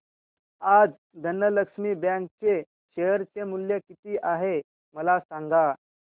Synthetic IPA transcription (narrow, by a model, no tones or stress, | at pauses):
ad͡z | d̪ʱənːələkʂmiːbjãŋk̚t͡se | ɕejəɾt͡semuljekit̪iːʔaɦe | məlasãŋɡa